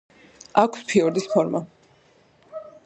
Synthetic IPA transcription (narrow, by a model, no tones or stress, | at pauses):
akʷʰspʰiɔɾd̪ispʰɔɾma